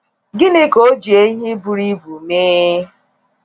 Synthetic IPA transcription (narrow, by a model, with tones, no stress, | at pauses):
ɡɪ˦nɪ˦ko˦d͡ʒi˨e˦ɦɪ˦bu˨ɾi˦bu˨me˦